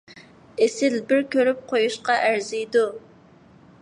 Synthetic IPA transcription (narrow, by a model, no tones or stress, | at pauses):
esɪlbɪɾkʲʰøɾyp̚qʰojuʃqɑʔæɾzijd̪u